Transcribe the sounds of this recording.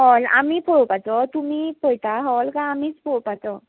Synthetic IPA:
ɦɔla̰miːpʰɔɭpat͡sɔt̪umiːpɔjʈ̪aɦɔlkãːmiːt͡spʰɔɭopat͡sɔ

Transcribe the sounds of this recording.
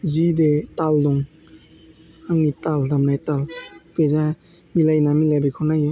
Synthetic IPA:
zidetaldɔŋ | haŋnitaldamnajtalpeza | milajnamilajbikʰɔnajɔ

